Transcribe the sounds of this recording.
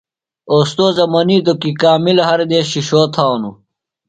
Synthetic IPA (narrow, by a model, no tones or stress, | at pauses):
oːst̪oːzɐmɐniːt̪okikaːmilɦɐɾd̪eɕiɕoːt̪ʰaːwnu